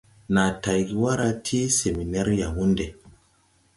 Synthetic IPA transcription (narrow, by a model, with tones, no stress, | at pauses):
na˨ta˨jɡi˨wa˦ɾa˧tʰi˦se˨mi˨ne˦ɾja˨wu˦nde˨